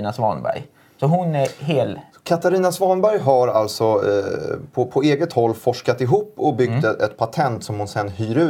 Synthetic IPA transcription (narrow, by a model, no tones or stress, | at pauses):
nasvɑ̰nbæ̰ɾj | sɔɦʊnæɦeːl | kʰat̪aɾiːnasvɑːnbæɾjɦaɾalt̪sɔ | pʰɔpʰɔeːɡət̪hɔlːfɔʂkat̪ɪɦuːpːɔbʏɡt̪ɛt̪̚pʰat̪ʰɛnt̪sɔmhʊnsɛnːhyːɾʉ̟ː